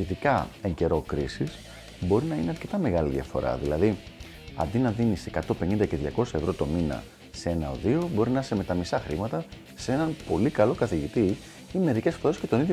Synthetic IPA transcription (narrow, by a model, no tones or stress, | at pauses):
iðikɐe̞ɲɟe̞ɾo̞kɾisis | bo̞ɾinɐineɐɾce̞t̪ɐme̞ɣɐliðjɐ̰fo̞̰ɾɐ̰ðilɐði | ɐ̰nd̪inɐðinisekɐt̪o̞pe̞nind̪ɐceðʝɐko̞sɐevɾo̞t̪o̞minɐ̰ | see̞nɐo̞̰ðio̞bo̞ɾinɐɐsemet̪ɐmisɐxɾimɐt̪ɐ | see̞nɐnpo̞likɐlo̞kɐθiʝit̪i | ime̞ðice̞sfo̞ɾe̞sce̞t̪o̞niðjo